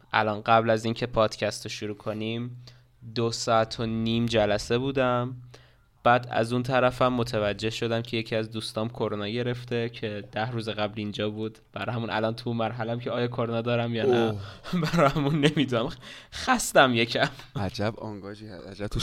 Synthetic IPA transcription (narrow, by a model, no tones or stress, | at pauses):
ʔæ̰lɒːnɢæblæziːncʰe̞pʰɒːd̪̥cʰæst̪oʃuɾuːkʰonim | d̪osɒːæt̪ʰoniːmd͡ʒælæse̞buːd̪æm | b̥æːd̪æ̰zunt̪ʰæɾæfæmːo̞t̪ʰevæd͡ʒːe̞hʃo̞d̪æmcʰeje̞cʰiæzd̪uːst̪ɒːmkʰo̞ɾonɒːɟe̞ɾe̞ft̪ʰe̞cʰe̞d̪̥æhɾuːzeɣæblind͡ʒɒːbuːd̪b̥æɾɒhæmunʔæ̰lɒːnt̪ʰumæɾɦælæmcʰeɒːjɒkʰoɾonɒːd̪ɒːɾæmjɒːnæbæɾɒæmunːemid̪unæmxæst̪æmje̞cʰæmæd͡ʒæbɒŋɡɒːd͡ʒihææd͡ʒæb̥̚t̪ʰu